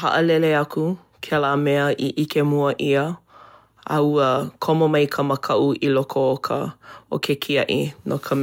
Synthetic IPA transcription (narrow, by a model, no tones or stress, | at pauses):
hɐ̰ʔəlɛleɐku | kʰelaːmɛəʔiʔikemuəʔiə | ɐ̰uəkʰomomɐjkʰəmɐkʰɐʔuʔilokʰookʰə̰o̰kʰekʰiɐʔḭnokʰə